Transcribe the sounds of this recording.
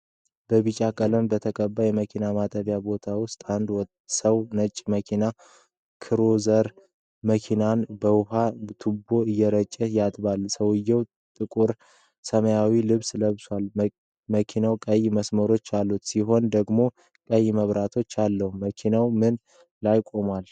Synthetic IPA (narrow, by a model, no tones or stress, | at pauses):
b̥əβɨt͡ʃʼakʼələnbət̪ʰəkʼəbːajɛməkʰinamat̪ʼəβjabo̞t̪ʰawʊst̪ʼand̪w | səwnət͡ʃʼːməkʰina | kʰɨɾozəɾ | məkʰinanbəwɦat̪ʰubːo̞ɨjːɛɾət͡ʃʼːɛjat̪ʼβalsəwɨjːɛw | t̪ʼɨkʼuɾ | səməjawilɨβsləβswal | məkʰinawkʼəjməsməɾo̞t͡ʃːalːut̪siɦo̞nd̪əɡmo̞ | kʼəjːməβɾat̪ʰo̞t͡ʃːalːəhuməkʰinawmɨn | lajkʷʼo̞mal